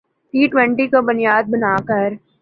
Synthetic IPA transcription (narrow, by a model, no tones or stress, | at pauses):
ʈiːʈwɛ̃ɳʈikobʊnijaːd̪̚bɐnaːkəɾ